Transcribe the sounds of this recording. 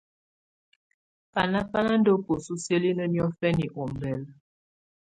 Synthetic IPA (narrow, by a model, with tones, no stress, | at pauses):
a˨na˦pa˦la˦n˦do˦po˨su˦sje˦li˦nə˦njɔ˦fɛ˦ni˨ʔo˨mbɛ˨l